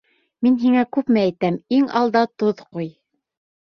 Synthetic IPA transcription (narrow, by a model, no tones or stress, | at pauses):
minɦiŋækʉpmɘæjt̪æmiŋɑ̰lˠd̪ɑt̪oðquj